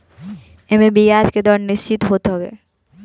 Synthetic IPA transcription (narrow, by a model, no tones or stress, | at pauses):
ɛmẽbijaːd͡ʒ̪ked̪ɔːɾnɪst͡ʃɪt̪ɦot̪ɦɔʋḛ